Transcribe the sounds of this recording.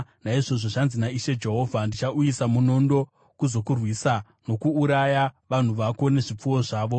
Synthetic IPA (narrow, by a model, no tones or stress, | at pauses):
naiʐo̞ʐoʐanzinaiʃe̞d͡ʒe̞ɦo̞vʱandit͡ʃaujisamuno̞ndo̞ | kuzo̞kurwisa | no̞kuːɾajaʋan̤uʋako̞ne̞ʐip͡fuwo̞ʐaːʋo̞